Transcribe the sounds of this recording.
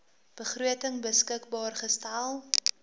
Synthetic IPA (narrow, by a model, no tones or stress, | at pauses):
b̥əχruətəŋbəskəkbɑːrχəstælˠ